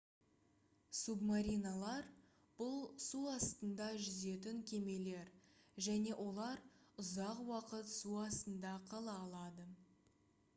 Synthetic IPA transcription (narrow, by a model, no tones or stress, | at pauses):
submaɾʲijnalˠɑɾ | b̥ʊlˠsuɑst̪ənd̪ɑʒʏze̞t̪̬ɪŋkʲʰe̞me̞le̞ɾʒæne̞ʔo̞lˠɑɾʊzɑqwɑqət̪suɑst̪ənd̪ɑqʰɑlˠɑːlˠɑd̪ə